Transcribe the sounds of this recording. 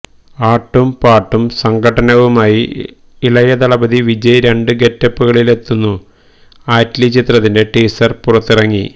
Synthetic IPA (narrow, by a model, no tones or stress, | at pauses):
aːʈːumpaːʈːumsɐŋɡʱɐʈɐnɐʋumaːji | ilɐjɐd̪ɐɭɐbɐðiʋid͡ʑɐjɾe̞ɳɖɨɡe̞tːɐpːuɣɐɭile̞t̪ːunːu | aːtlit͡ɕit̪rɐt̪ːinde̞ʈiːsɐrpurɐt̪ːirɐŋːi